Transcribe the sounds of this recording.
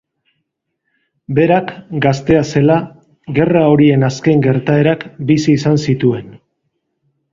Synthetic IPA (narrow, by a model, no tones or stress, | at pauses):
be̞ɾakɡast̪e̞ase̞la | ɡe̞rao̞ɾie̞naske̞ŋɡe̞ɾt̪ae̞ɾakbisiːsansit̪ue̞n